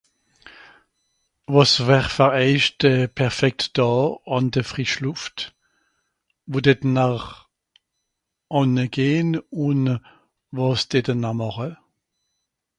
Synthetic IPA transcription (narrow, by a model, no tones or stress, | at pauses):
vɔsvɛʁfɛʁɛɪʃtəpʰɛʁfɛk̚td̥ɑːɑndəfʁiʃluft | vodɛtnaχ | ʔɔnəɡ̥eːnʊn | vɔsd̥ɛdənamɑχə